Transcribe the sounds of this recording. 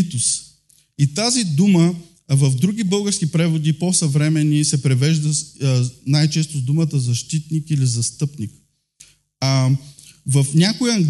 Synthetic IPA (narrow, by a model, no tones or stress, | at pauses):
t̪ʊs | it̪azid̪umə | vɐvd̪ɾuɡʲibɤlˠɡəɾsk̟ipɾɛvod̪iposɐvɾɛmɛnisɛpɾɛvɛʒd̪ə | najt͡ʃɛst̪ʊzd̪umət̪əzɐʃt̪it̪nikilizɐst̪ɤpnik | vɐfnʲakojɐŋɡ